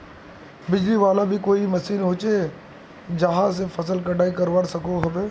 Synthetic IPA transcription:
bɪd͡ʒliʋaːlabʱikoːimɐsiːnɦoːt͡ʃe | d͡ʒɐɦãs̬efɐsəlkɐɖʱaːikɐɾʋəɽsɐkoɦɐbeː

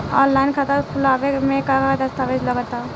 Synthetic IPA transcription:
ɔ̰ːnlaːɪnkʰat̪əɾkʰʊlaːʋemẽkakad̪əst̪aːʋed͡ʒləɡəɾt̪a

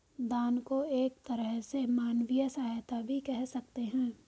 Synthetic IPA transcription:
d̪aːnkoeːk̚t̪ɐɾəɦsemaːnwijəsaɦajt̪abʱikɛɦsɐk̚t̪eɦɛ̃ː

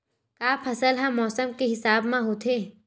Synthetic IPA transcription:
kaːpʰɐsəlɦɐ̃mːɔːsəmkeɦɪsaːbmãɦot̪ʰeː

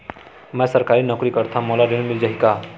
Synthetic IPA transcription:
mɛ̃sʌɾkaɾinɔkɾikʌɾt̪ʰamɔlaɾenmild͡ʒaɦika

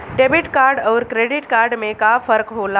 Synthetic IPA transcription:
ɖebiʈkaɾɖəʊɾkɾeɖiʈkaːɾɖmẽkafʰəɾkɦola

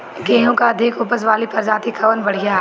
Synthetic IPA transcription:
ɡẽːɦõkaɐd̪ʱɪkʊpəsʋaːlipɐɾd͡ʒaːt̪ikʰɐʋənbɐɽ̤ijaːɦ

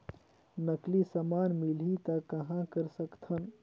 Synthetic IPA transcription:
nəklisəmaːnmilit̪ɐkːɐɦãkəɾsəkt̪ʰɐn

